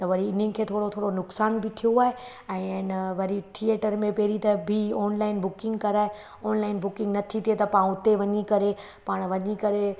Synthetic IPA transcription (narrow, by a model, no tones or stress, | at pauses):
t̪ɐʋɐɾiɪn̤ənɪ̆kʰeːt̪ʰoːɽot̪ʰoːɽonʊksaːnbʱɪt̪ʰijoaːɦe | ɛ̃ːnʋɐɾiʈʰieːʈəɾmẽpɛɦɾit̪ɐbʱiɔːnlaːɪnbʊkɪ̃ŋɡkɐɾaːɦe | ɔːnlaːɪnbʊkɪ̃ŋɡnɐt̪ʰit̪ʰiet̪ɐpaːũʊt̪eʋɐɲikɐɾe | paːɽ̃ʋɐɲikɐɾe